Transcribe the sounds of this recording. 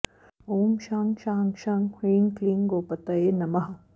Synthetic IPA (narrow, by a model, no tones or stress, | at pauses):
oːmʃaːŋʃaːŋʃaːŋhiːŋkliŋɡoːpɐt̪ɐjenɐmɐɦɐ